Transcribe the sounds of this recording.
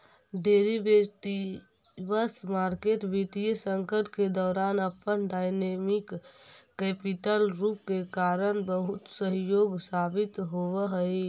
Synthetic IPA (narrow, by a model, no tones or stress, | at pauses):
ɖeːɾibeʈiʋəsmaːɾkeːʈbʱit̪ijəsə̃ŋkəɾʈked̪ɔːɾaːnəpənɖaːjnemɪkː | ɛːpiʈəlɾuːp̚kekaːɾənbəɦʊt̪səɦjoːɡsaːbɪt̪ɦoʋəɦəi